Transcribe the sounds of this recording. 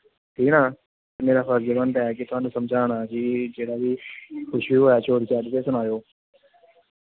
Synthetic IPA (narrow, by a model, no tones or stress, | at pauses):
ʈʰiːnãː | meːɾaːpəɾd͡ʒɪʋənt̪aɛːkit̪ʊɦãːnũːsəmd͡ʒaːnaːkiːd͡ʒeːɽaːʋiːkʊʃʰʋiɦoːaːt͡ʃʰoːɾt͡ʃaːɾt̪eːsʊnaːjoː